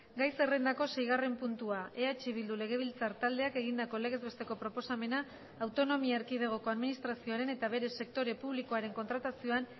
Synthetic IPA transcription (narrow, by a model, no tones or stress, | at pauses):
ɡajse̞re̞nd̪ako̞se̞jɣare̞mpunt̪uae̞at͡ʃiβ̞ild̪ule̞ɣ̞e̞β̞ilt͡saɾt̪ald̪e̞ake̞ɣ̞ind̪ako̞le̞ɣ̞e̞zβest̪e̞ko̞pɾo̞po̞same̞naː | wt̪o̞no̞miaeɾkið̞e̞ɣ̞o̞ko̞aðminist̪ɾasio̞aɾe̞ne̞t̪aβ̞e̞ɾe̞se̞k̚t̪o̞ɾe̞puβliko̞aɾe̞ŋko̞nt̪ɾat̪asio̞an